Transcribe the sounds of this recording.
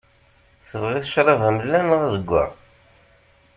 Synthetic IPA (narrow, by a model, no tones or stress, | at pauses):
θəvʁiθə̥ʃɾˤɑvæmlːænʁæðəɡʷːa̰